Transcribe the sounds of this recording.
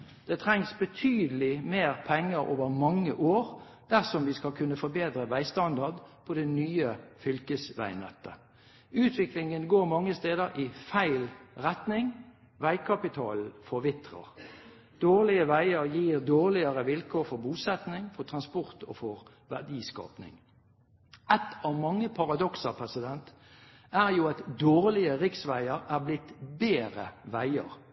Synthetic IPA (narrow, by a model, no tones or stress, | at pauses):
d̪̥ɛːt̪ʰɾɛŋsbət̪ʰyːd̪əlɪmeːʁpʰɛŋːəʁo̰ːʋəʁmɑŋːə̰ʔoːʁ | d̪̥æʁsɔmʋiːskɑlkʰʉnːəfɔbeːd̪ɾəʋæɪst̪ɑnd̪ɑʁd̪pʰɔd̪ɛnyːəfʏlkəsʋæ̰ɪnɛ̰t̪ːə | ʉːt̪ʰʋɪklɪŋənɡoːʁmɑŋːəst̪eːd̪əɾʔɪfæɪlʁɛt̪nɪŋ | ʋæɪkʰɑpɪt̪ʰɑ̰ːl̩fɔʋɪt̪ʁə̰ʁ | d̪̥oːʁlɪəʋæɪəʁjiːʁd̪oːʁlɪəʁəʋɪlkʰoːfɔʁbuːsɛt̪nɪŋfɔʁt̪ʰʁɑnspɔʁt̪ʰo̰ːfɔʁ | ʋæʁd̪iːskɑ̰ːpnɪ̰ŋ | ɛt̪ʰɑʋmɑŋːəpʰɑʁɑd̪ɔksəpʰʁɛsɪd̪ɛnt̪ | æːʁjuːɑt̪d̪oːʁlɪəʁɪksʋæɪəʁæːʁblɪt̪beːʁə̰ʋæɪə̰ʁ